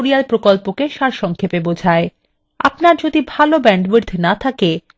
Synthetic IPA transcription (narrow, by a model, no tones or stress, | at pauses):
ɾialpɾokolpokeʃaɾʃɔŋkʰepebod͡ʑʱae | a̰pnaɾd͡ʑod̪ibʱalobɛɳɖbiɾd̪ʰʱnat̪ʰake